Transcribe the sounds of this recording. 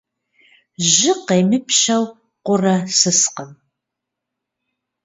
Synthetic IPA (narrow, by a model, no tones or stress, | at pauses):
ʒɪqejmɨpʰʃɐw | qʷʊrɐsɨsqəm